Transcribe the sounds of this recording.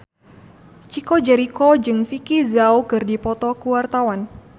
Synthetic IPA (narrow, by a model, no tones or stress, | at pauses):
t͡ʃikod͡ʒɛɾikod͡ʒɨŋfikizawkɨrdipɔt̪ɔkuwart̪awan